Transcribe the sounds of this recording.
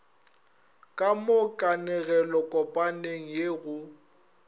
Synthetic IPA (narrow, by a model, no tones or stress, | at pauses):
kʼamokʼanɛɣɛlɔkʼɔpʼaneŋ̩jeɣʊ